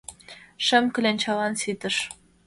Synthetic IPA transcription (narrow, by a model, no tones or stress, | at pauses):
ʃɘ̆mkɘ̆lent͡ɕɑlɑnsid̪ɘ̆ʃ